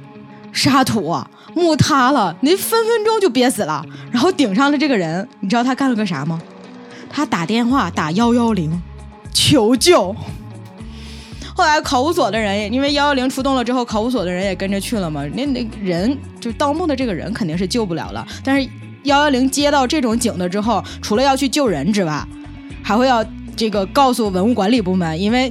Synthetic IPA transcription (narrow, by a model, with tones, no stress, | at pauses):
ʂa˥t̪ʰu˧˩˥ɐ̰˧ | mu˥˩t̪ʰa˥lə˨ni˨˥fə˥nfə˥nʈ͡ʂʊ˥ŋt͡ɕjo˥˩ʊp̬jɛ˧˥sɹ̩˨˩lə̰˦ɻa˧˥nxo˥˩ʊt̪i˨˩ŋʂɑ˥˧ŋlə˨˩ʈ͡ʂɤ˥˩ɡə˩ɻə˧˥nni˨˩ʈ͡ʂɻ̩˥ɑ˧˩t̪ʰa˥ka˥˩nlə˩ɡə˥˩ʂa̰˧˥mə˧ | t̪ʰa˥t̪a˨˩t̪jɛ˥˧nxwa˥˩t̪a˨˩jɑ˥ʊjɑ˥ʊli˧˥ŋ | t͡ɕʰjo˧˥ʊt͡ɕjo˥˩ʊ | xo˥˩ʊla˧˥ɪkʰɑ˧˥ʊu˧˥swɔ˨˩d̪ə˦ɻə˧˥njɛ˨˩i˥nwe˥˧ɪjɑ˥ʊjɑ˥ʊli˧˥ŋʈ͡ʂʰu˥t̪ʊ˥˩ŋlə˩ʈ͡ʂɻ̩˥xo˥˩ʊkʰɑ˧˥ʊu˧˥s̬wɔ˨˩d̪ə˦ɻə˧˥njɛ˨˩kə˥nʈ͡ʂə˧t͡ɕʰy˥˩lə˩mɐ˩n˥˧n˥˩ɻə˧˥n | t͡ɕjo˥˧t̪ɑ˥˧ʊmu˥˩d̪ə˩ʈ͡ʂɤ˥˩ɡə˩ɻə̰˧˥nkʰnt̪i˥˧ŋʂɻ̩˥˧t͡ɕjo˥˧ʊp̬u˥˩ljɑ̰˨˩ʊlə̰˧t̪a˥˧nʂɻ̩˥˧ | jɑ˥˧ʊjɑ˥ʊli˧˥ŋt͡ɕjɛ˥t̪ɑ˥˧ʊʈ͡ʂɤ˥˩ʈ͡ʂʊ˨˧˥ŋt͡ɕi˨˩ŋd̪ə˦ʈ͡ʂɻ̩˥xo˥˩ʊ | ʈ͡ʂʰu˧˥lə˧jɑ˥˧ʊt͡ɕʰy˥˧t͡ɕjo˥˩ʊɻə˧˥nʈ͡ʂɻ̩˧˥˧wa˥˩ɪ | xa˧˥xwe˥˧ɪjɑ˥˧ʊ | ʈ͡ʂɤ˥˩ɡə˩kɑ˥˧ʊsu˥˩wə˧˥nu˥˩kwa˧˥nli˨˩pu˥˩mə˧˥ni˥nwe˥˩ɪ